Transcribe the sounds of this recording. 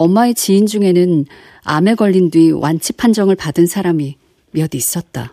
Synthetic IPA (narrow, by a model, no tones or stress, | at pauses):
ʌmːaet͡ɕiːnd͡ʑuŋe̞nɯn | a̰me̞ɡʌʎːindwiwʔant͡ɕʰipʰand͡ʑʌŋɯɭpadɯnsʰaɾami | mjʌdis͈ʌt̚t͈a̰